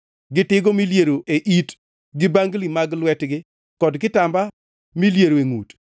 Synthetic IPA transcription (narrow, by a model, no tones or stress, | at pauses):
ɡɪtɪɡomiljeɾoʔeʔit | ɡɪbaŋɡlimaɡlwɛtɡɪ | kɔdkɪtamba | miljeɾoeŋṵt